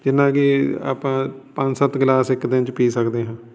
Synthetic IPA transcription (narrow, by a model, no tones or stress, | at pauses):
d͡ʒɪnːãːkia̰ːpãːpə̃ɲd͡ʒsət̪ɡlaːsɪkːd̪ɪnt͡ʃpiːsəkd̪eːɦãː